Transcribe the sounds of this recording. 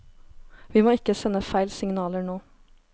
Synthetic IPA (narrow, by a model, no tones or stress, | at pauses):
ʋiːmoːɪkəsɛnəfæɪlsɪŋnɑːləɳoː